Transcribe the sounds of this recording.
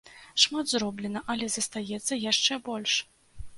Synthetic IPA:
ʂmad̪zrɔblʲɛnɐʔɐlʲɛzɐst̪ajɛt̪sːɐjaʂt͡ʂɛbɔlʲʂ

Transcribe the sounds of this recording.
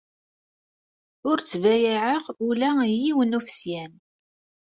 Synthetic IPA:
ʊɾt͡sːvæjiʕəʁulæjiwənufsjæn

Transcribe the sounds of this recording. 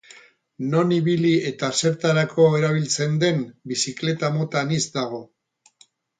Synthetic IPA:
no̞niβilie̞t̪ase̞ɾt̪aɾakʰo̞e̞ɾaβ̞ilt͡se̞nd̪e̞mbisikle̞t̪amo̞t̪anizd̪aɣ̞o̞

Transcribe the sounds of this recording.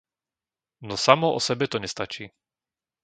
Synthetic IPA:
nɔsamɔɔ̰sɛbɛt̪ɔɲɛst̪at͡ʃiː

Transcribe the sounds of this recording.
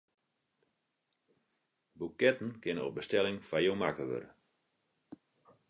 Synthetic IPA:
bukɛtn̩kɪnəo̰p̚bəstɛlɪŋfajomakəʋø̰ɾə

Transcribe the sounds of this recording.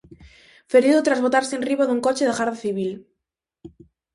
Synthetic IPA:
feɾiðot̪ɾazβot̪aɾsenriβaðuŋkot͡ʃeðeɣaɾðaθiβil

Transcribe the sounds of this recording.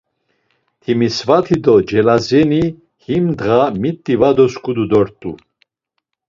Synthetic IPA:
t̪ʰimisvat̪ʰid̪ɔd͡ʒɛlazɛni | himd̪ʁamit̪ʼːivad̪ɔskʼud̪ud̪ɔɾt̪ʼṵ

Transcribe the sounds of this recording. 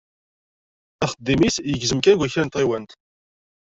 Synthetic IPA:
æχəd̪ːimisjəɡzəmkæɡʷæçɾænt̪ʁiwænt̪

